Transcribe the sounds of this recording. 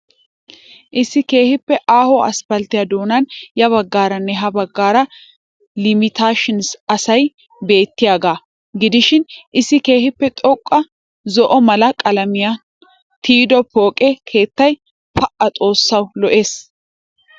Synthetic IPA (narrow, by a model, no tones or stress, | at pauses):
ʔɪsːɪke̞ːhɪpːɛʔaːhɔɐ̰spɐlt̪ɪjɐd̪o̞ːnɐnjɐβɐɡːaːɾɐnːɛɦɐbɐɡːaːɾɐ | lɪmɪt̪aːʃɪnsɐsɐj | be̞ːt̪ːɪjaːɡaː | ɡɪd̪ɪʃɪnʔɪsːɪke̞ːhɪpːɛt̪ʼɔkʼːɐ | zɔʔɔmɐlɐkʼɐlɐmɪja | t̪iːd̪ɔpo̞ːkʼɛkʰe̞ːt̪ːɐj | pɐʔɐt͡sʼo̞ːsːɐwlɔʔe̞ːs